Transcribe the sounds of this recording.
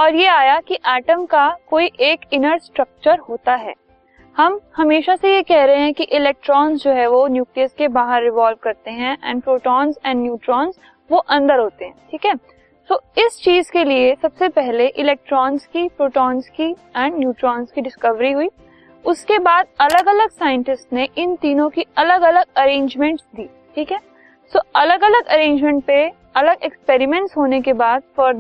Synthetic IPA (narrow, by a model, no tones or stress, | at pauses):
ɔːɾjeaːjakiʔɛːʈəmkakoːiʔeːkɪnəɾsʈɾɐk̚t͡ʃəɾɦoːt̪aɦɛ̰ː | hɐmhɐmeːʃasejekɛɦɾɐɦẽɦɛ̃kiʔɪlɛːk̚ʈɾɔːnzd͡ʒoːɦɛʋonjuːkliəskebaːɦəɾːɪʋaːlʋkɐɾt̪eɦɛ̃ʔɛ̰̃ːnɖpɾoːʈɔːnzɛ̃ːɖːjuːʈɾɔːnz | ʋoʔɐ̃nd̪əɾɦoːt̪eɦɛ̃ːʈʰiːkɦɛː | t̪oːɪst͡ʃiːzkeliesɐbsepɛɦleʔɪlɛːk̚ʈɾɔːnzkipɾoːʈɔːnzkiɛ̃ːɳɖnjuːʈɾɔːnzkiɖɪskɐʋɾiɦʊiː | ʊskebaːd̪̚ɐləɡɐləɡsaːjə̃ɳʈɪsʈneʔɪnt̪iːnõkiɐləɡɐləɡɐɾẽːɲd͡ʒmɛ̃ɳʈsd̪iː | ʈʰiːkɦɛː | soːɐləɡɐləɡɐɾẽːɲd͡ʒmɛ̃ɳʈ̚pe | ɐləɡekspeːɾɪmɛ̃ɳʈsɦoːnekebaːd̪̚fəɾ